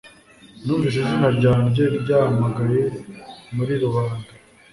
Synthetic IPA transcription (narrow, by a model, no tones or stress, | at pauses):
nufiʃ̬ezinaɾɟaːniɟekɟaːmaɡaɾjemuɾiɾuβaːnda